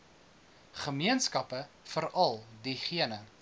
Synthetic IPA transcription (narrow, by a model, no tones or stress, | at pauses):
χəmiənskɐpə | fəɾɐlˠdiχiənə